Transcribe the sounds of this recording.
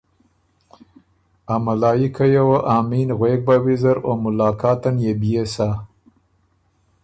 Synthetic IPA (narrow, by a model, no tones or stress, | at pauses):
amalɑːjikʰajawaʔɑːminɣwek̚bawizaɾomʊlɑːkɑːt̪anjebijesa